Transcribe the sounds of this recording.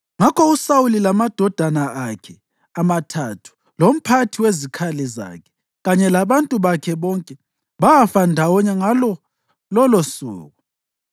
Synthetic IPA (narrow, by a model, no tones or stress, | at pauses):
ŋakʰɔusawulilamad̥ʱɔd̥ʱanaakʰɛ | amatʰatʰu̥ | lom̩pʰatʰiwezikʰalɛza̰kʰɛ̥ | ɣaɲɛlaβantʼuβakʰɛβɔŋkʼɛ | βaafandʱawɔɲɛŋalɔ | lɔlosṵːɣu